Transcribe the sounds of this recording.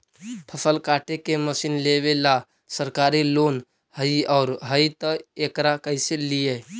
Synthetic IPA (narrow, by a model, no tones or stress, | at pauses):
pʰəsəlkaːʈekeməsiːnleʋela | səɾkaːɾiloːn | həiɔːɾɦəit̪əekɾakəɪselije